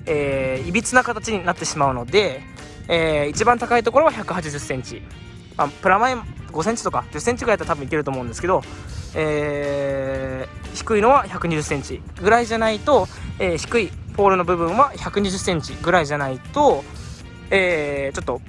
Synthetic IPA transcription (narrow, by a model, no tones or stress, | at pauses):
eːibʲit͡sɨnakat̪at͡ɕiɲ̟inat̪ːe̞ɕimaɯ̟no̞d̪e̞ | eːit͡ɕibãnt̪akait̪̬o̞ko̞ɾo̞βaçakɯ̟hat͡ɕiʑɨsːẽ̞ɲ̟t͡ɕi | mapɯ̟ɾamaẽmɡo̞sẽɲt͡ɕi̥t̪o̞kad͡ʑɨsːẽ̞ɲt͡ɕiɡɯait̪et̪abɯ̟̃ike̞ɾɯt̪omo̞ɯ̟̃nd̪esɨ̥keo̞eː | çi̥kɯ̟ino̞βaçakɯ̟ɲ̟iʑɨsːẽɲ̟t͡ɕi | ɡɯ̟ɾaiʑanait̪o̞eːçi̥kɯ̟ipo̞ːɾɯ̟no̞bɯ̟bɯ̟̃ɰ̃βaçakɯ̟ɲ̟iʑɨsːẽ̞ɲ̟t͡ɕiɡɯ̟ɾaiʑanait̪o̞ | eːt͡ɕo̞t̪ːo̞